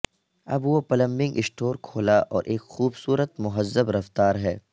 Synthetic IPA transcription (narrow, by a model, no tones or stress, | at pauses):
ɐbwopɐlə̃mbɪ̃ŋɡɪsʈoːɾkʰoːlaʔɔːɾʔeːkxuːbsuːɾət̪mʊɦəzːəbɾɐft̪aːɾɦɛː